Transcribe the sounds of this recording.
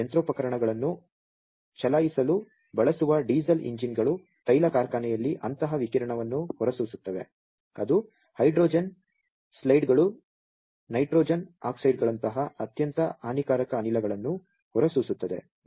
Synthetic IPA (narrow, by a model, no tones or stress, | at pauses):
ɐnt̪ɾoːpɐkɐɾɐɳɐɡɐɭɐnːu | ʃɐlaːjisɐlu | bɐɭɐsuʋɐɖiːzɐlḭɲd͡ʒinɡɐɭu | t̪ɐjlɐkaːɾkaːnɛjɐlːiʔɐnt̪ɐɦɐʋikiɾɐɳɐʋɐnːuhɔɾɐsuʋsut̪ːɐʋe̞̰ | ɐd̪u | hɐjɖɾoːd͡ʒɐn | slɐjɖɡɐɭu | nɐjʈɾoːd͡ʒɐna̰ːksɐjɖɡɐɭɐnt̪ɐɦɐɐt̪jɐnt̪ɐʔaːnikaːɾɐkɐːnilɐɡɐɭɐnːu | hɔɾɐsusut̪ːɐd̪e̞̰